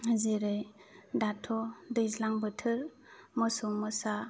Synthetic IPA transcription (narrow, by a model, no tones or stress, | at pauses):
haziɾɯj | datʰɔdɯjzlaŋbɯtʰɯɾ | mɔsumɯsa